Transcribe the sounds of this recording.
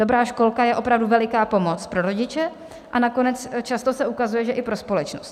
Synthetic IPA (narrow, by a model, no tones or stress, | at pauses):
do̞bɾaːʃko̞lkajɛʔo̞pɾavduvɛlɪkaːpo̞mo̞t͡spɾo̞ɾo̞ɟɪt͡ʃɛ | ʔanako̞nɛt͡st͡ʃast̪o̞sɛʔukazujɛʒɛʔɪpɾo̞spo̞lɛt͡ʃnost̪